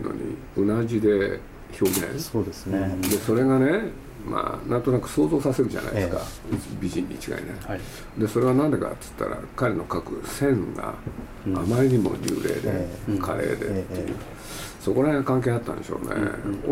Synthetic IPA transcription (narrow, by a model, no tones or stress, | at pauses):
no̞̰ɲ̟i | ɯnaʑid̪e̞ | ço̞ːɡḛ̃od̪esned̪e̞so̞ɾe̞ɡane̞ | ma̰ːnʔãnt̪o̞nakɯ̟̥so̞ːzo̞ːsase̞ɾɯ̟ʑa̰na̰iɨ̥kabʲiʑĩɲ̟ːit͡ɕi̥ɡa̰ine | d̪e̞so̞ɾe̞βanãnd̪e̞ka̰t̪ɨ̥t̪ːa̰ɾa̰kaɾeno̞kakɯ̟sẽ̞ŋɡa̰ː | maɾʲiɲ̟imo̞̰ɾʲɨ̰ːɾe̞̰ːd̪e̞̰kʰaɾe̞̰ːd̪e̞t̪ːejɯ̟ː | so̞ko̞ɾaekãŋk̬e̞ːat̪ːã̰nd̪eɕo̞̰ːne